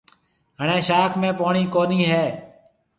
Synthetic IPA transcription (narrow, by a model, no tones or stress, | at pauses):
ɦəɳẽːʃaːkʰmẽːpaːɳiːkoːniːɦɛː